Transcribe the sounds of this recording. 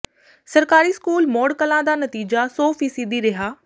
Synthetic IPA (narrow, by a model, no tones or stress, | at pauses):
sɐɾkaːɾiskuːlmɔːɽkɐlãd̪anɐt̪iːd͡ʒasɔːfiːsid̪iɾɪɦaː